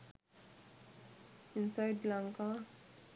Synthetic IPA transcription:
ɪnsajɖlaŋka

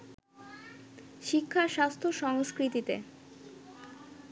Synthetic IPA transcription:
ʃikʰːaʃast̪ʰoʃɔŋskɾit̪it̪e

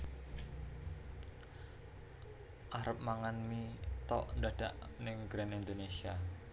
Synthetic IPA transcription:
ʔaɾəp̚maŋanmit̪ɔ̰ʔnd̪aɖ̥aʔnɪŋɡɾanind̪onesia

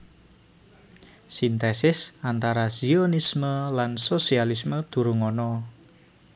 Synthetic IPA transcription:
sint̪ɛsɪsant̪aɾasionisməlansosialisməd̪̥ṳɾuŋɔnɔ

